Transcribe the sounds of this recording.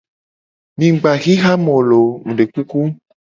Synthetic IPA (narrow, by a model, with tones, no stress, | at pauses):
mĩ˨ɡ͡ba˨ɣi˦ɣa˦mɔ̃˨lo˨mũ˨ɖe˨k͡pu˦ku˦